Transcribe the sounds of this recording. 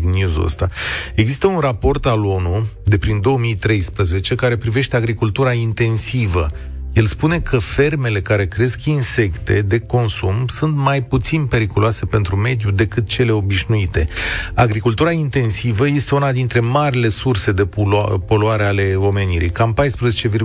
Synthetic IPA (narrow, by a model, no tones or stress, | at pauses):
knjuzə̰st̪ae̞ɡzist̪əunrapo̞rt̪alo̞nud̪e̞pɾind̪o̞womijt̪ɾe̞jspɾəze̞t͡ʃe̞kaɾe̞pɾive̞ʃt̪eaɡɾikult̪uɾaint̪e̞nsivə | je̞lspune̞kʰəfe̞rme̞le̞kaɾe̞kɾe̞skinse̞kt̪ʰe̞d̪e̞ko̞nsumsunt̪majput̪sinpe̞ɾikuloase̞pe̞nt̪ɾume̞d̪jud̪e̞kɨt̪̚t͡ʃe̞le̞o̞biʃnuit̪e̞̰aɡɾikult̪uɾaint̪e̞nsivəje̞st̪e̞unad̪int̪ɾe̞maɾile̞surse̞d̪e̞upo̞luaɾe̞ale̞o̞me̞niɾḭjkampajspɾəzet͡ʃe̞vi